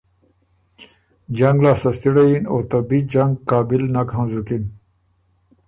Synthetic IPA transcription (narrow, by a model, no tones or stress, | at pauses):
d͡ʑɐŋɡlaːsɐst̪iɽɐjinoːt̪ɐbid͡ʑaŋɡkaːbilnakhãːzukin